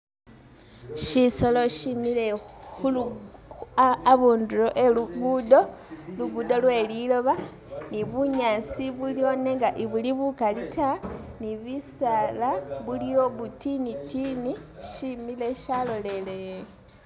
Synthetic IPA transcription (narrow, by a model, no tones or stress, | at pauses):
ʃiso̞loʃimilexul | aβuːnduɾoʔe̞luɡuːdo̞luɡudo̞lwe̞ːlilo̞βa | niβuɲasiβulio̞ne̞ŋɡaʔiβuliβukalitʰaniβisalaβulijo̞βutinitiniʃimile̞ʃalo̞le̞le